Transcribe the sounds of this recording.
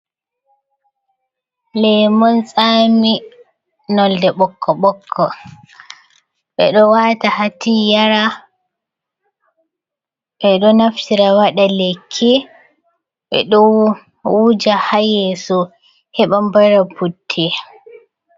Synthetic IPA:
lɛmɔnsʼaːmi | nɔldɛɓɔkʰːɔɓɔkʰːɔ | ɓɛ̰ɗɔwatahatijaɾa | ɓɛɗɔnaftiɾawaɗalekʰːi | ɓɛ̰ɗɔ | wud͡ʒahajɛsɔ | hɛɓambaɾaputʰːi

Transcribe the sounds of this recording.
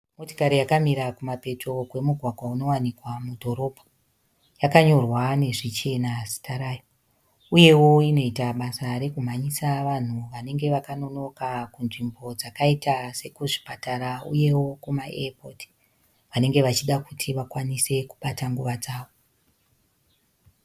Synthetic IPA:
moti̥kaɾijakamiɾakumape̞tʰo̞kwe̞muɡʱwaɡʱwauno̞wanikwamudʱo̞ɾo̞pʰo̥ | jakaɲo̞rwane̞ʐit͡ʃe̞nasi̥taɾaːjo | uje̞wo̞ino̞itaɓasaɾe̞kum̤aɲisaʋan̤uʋane̞ŋɡe̞ʋakano̞no̞kakunʐimbo̞d͡zakaitase̞kuʐi̥pataɾaṵje̞wo̞kumaḛapoti̥ | ʋane̞ŋɡe̞ʋat͡ʃiɗakutʰiʋakwanise̞kuɓataŋɡuʋad͡zaːʋo

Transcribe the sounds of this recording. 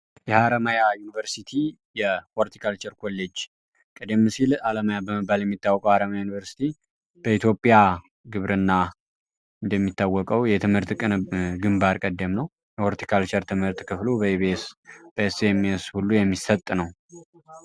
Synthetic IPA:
jɛhaɾəmajajunivəɾsit̪ʰi | jɛwoɾt̪ʰi̥kʰalt͡ʃɛɾkʰo̞lːed͡ʒ | kʼəd̪əmːɨsilaləmajabəməbːaljɛmːit̪ːawːɔkʼəwhaɾəmajajunivəɾsi̥t̪ʰi | b̥əit̪ʰjo̞pʼja | ɡɨβɾɨnːa | ɨnd̪əmːit̪ːawːɔkʼəwjɛt̪ʰɨmhɨɾt̪kʼɨnɡɨmbaɾkʼəd̪ːəmnəw | jɛwoɾt̪ʰi̥kʰalt͡ʃɛɾt̪ʰɨmhɨɾt̪kʰɨflubəeβesb̥əɛseɛmːshulːujɛmːisət̪ʼːnəw

